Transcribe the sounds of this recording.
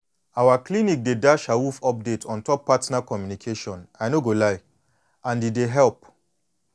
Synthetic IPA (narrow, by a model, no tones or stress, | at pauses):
awaklinik̚dedaʃawufɔp̚detʰɔ̃ntɔpːatnakɔmjunikʰeʃɔ̃naɪnoɡolaɪ | ãndideɦɛlp